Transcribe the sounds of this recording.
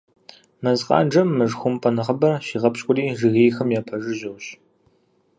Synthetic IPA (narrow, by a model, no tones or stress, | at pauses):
mɐzqʼɑ̰ːd͡ʒɐmːɨʐxʷʊmpʼɐnɐχɐbɐrʃiːʁɐpɕʼkʷʼʊriːʒɨɣeːxɐmjaːpʰɐʒɪʑɪwɕ